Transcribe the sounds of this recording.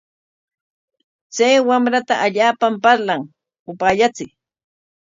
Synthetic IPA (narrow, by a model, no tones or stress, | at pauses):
t͡sajwamɾat̪aʔaʎaːpampaɾlaŋ | ʊpaːʎat͡sɪ